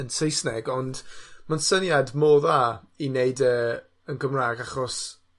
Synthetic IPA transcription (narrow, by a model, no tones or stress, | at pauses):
ənsejsnɛɡɔndmansənjadmoːðaː | ineɨdəː | ənɡəmraːɡaχɔs